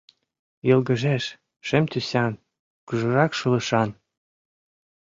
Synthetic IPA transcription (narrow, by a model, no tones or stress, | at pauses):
jɤlɡə̆ʒeʃ | ʃĕmt̪ysʲɑn | kyʒɤ̆ɾɑkʃɤlɤ̆ʃɑn